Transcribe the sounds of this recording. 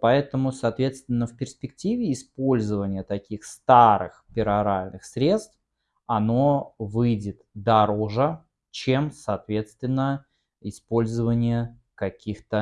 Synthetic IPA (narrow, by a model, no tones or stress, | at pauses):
pɐɛt̪əmʊsaːt̪vʲe̞t̪st̪vʲɪnːəfʲpʲɪrspʲɪktʲivʲɪːspo̞lʲzəvənʲɪjət̪ɐkʲixst̪aɾɨ̰xpʲɪɾɐɾalʲnɨxsɾʲe̞t̪st̪f | ɐno̞vɨjdʲɪt̪d̪ɐɾoʐə | t͡ɕemsaːt̪vʲe̞t̪st̪vʲɪnːə | ɪspo̞lʲzəvənʲɪjə | kɐkʲixt̪ə